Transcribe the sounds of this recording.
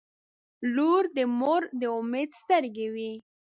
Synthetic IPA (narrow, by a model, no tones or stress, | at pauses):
luɾd̪əmoɾd̪əʊmed̪st̪əɾɡewi